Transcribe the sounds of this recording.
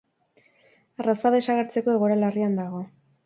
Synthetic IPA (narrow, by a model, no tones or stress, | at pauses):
rasaðe̞saɣaɾt͡se̞ko̞eɣoɾalariand̪aɣ̞o̞